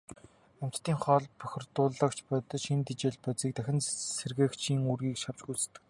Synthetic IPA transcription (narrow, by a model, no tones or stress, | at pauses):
æm̥t͡ɕt̪ːiːŋχɔɮpœxʲɪ̆rt̪ʊːɮə̆kt͡ɕʰpœt̪ɞ̆ʃint̪it͡ɕeːɮpœt͡siːk̚t̪æxʲɪ̆nserɣĕːkt͡ɕʰiːŋurɣiːkʃaw̥t͡ɕɡujt͡s̆ʰt̪ːɘ̆k